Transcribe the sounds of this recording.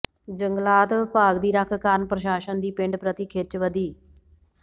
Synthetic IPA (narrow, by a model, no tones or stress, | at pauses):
d͡ʒəŋɡlaːt̪paːɡd̪iːɾəkʰkaɾnəpɾəʃaːʃənd̪iːpɪ̃ɳɖpɾət̪iːkʰet͡ʃʋəd̪iː